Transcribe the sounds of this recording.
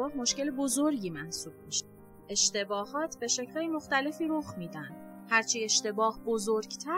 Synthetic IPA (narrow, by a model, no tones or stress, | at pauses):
ɒːhmo̞ʃce̞lebozoɾɟiːmænsuːb̥̚miʃ | e̞ʃt̪e̞bɒːhɒːt̪ʰbe̞ʃe̞cʰlhɒːjemoxt̪æle̞fiːɾoxmiːd̪ænd̪̥ | hæɾt͡ʃʰie̞ʃt̪e̞bɒːhbozoɾɡt̪ʰæ